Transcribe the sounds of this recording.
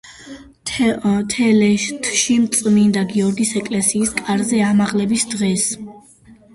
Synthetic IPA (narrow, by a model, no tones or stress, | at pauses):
t̪ʰɛlɛʃt̪ʰʃimt̪sʼmind̪aɡiɔɾɡisɛkʼlɛsiːskʼaɾzɛamaʁlɛbisd̪ʁɛs